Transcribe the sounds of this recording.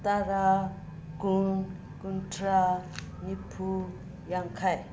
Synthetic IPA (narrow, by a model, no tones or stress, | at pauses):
t̪aɾa | kun | kuntʰɾa | ɲipʰu | jaŋkʰaj